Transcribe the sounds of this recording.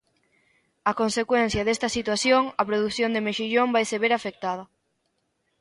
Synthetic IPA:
ɐkonsekwen̟θjɐðest̪ɐsit̪waθjoŋɐpɾoðuθjond̪emeʃiʎombajseβeɾafek̚t̪að̞ɐ

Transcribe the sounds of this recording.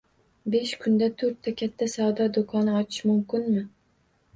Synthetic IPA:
be̞ʃkʰʊnd̪at̪ʰɵɾt̪ʰːakʲʰat̪ʰːasawd̪ɒd̪okʰɒnɪɒt̪ʰɪ̥ʃmʊmkʲɪnmɪ

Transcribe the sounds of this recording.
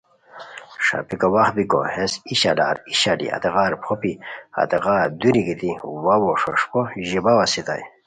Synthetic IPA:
ʂa̰pikowaχbiko̰hesiɕa̰la̰ːɾiɕalḭa̰t̪eɣaːɾpʰopia̰t̪eʁaːɾd̪uɾiɡit̪iwawoʂoʂpoʑibawasit̪a̰j

